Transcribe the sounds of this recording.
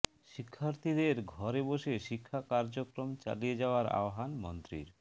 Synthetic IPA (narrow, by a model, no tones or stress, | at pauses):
ʃikʰːaɾt̪ʰid̪eɾɡʱɔɾeboʃeʃikʰːakaɾd͡ʑokɾomt͡ɕa̰lijed͡ʑaoaɾa̰oɦanmo̰nt̪ɾḭɾ